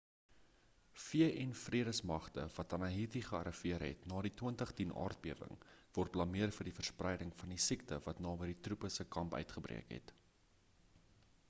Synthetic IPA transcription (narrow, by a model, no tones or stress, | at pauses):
fiəʔɛnfriəɾəsmɐχtəvɐtɐnɐɦitiχəɐ̰ɾʔəfiərɦɛ̰tnɑːɾituəntəχtinʔɑ̰ːrt̚biəvə̰ŋvɔrt̚plɐmiərfərdifərsprɛjdəŋfɐndisiktəvɐtnɑːbəditrupəsəkɐmpœ̰ɥtχəbrḭəkɦɛ̰t